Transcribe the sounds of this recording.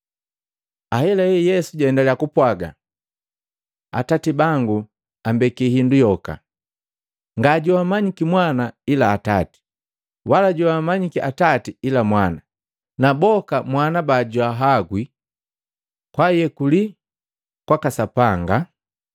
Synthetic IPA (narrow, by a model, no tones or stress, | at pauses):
ahɛlaɛjɛsuɟɛndalɛakupwaɡa̰ | a̰tatibaŋɡu | ambɛkihindujɔka̰ | ŋɡaɟuamaɲikimwanailaːtati̥ | walaɟuamaɲikiʔatatiilamwana | nabɔkamwanabaːɟuaɦaɡwi | kwajɛkuli | kwakasapaŋɡa